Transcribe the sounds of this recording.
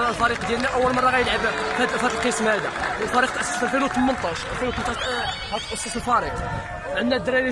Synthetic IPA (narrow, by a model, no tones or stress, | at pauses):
lfæɾiqd̪jælnæʔæwːəlmɑrˤːɑɣæjəlʕəbfæt̪fæt̪əlqəsmhæd̪æwəlfæɾiq̚t̪ʔəsːəsəlfilut̪əmːənt̪ˤɑʃəlfilut̪əmt̪ˤɑʃhæt̪ʔəsˤːəsəlfɑɾiq | ʕənːæd̪ɾæli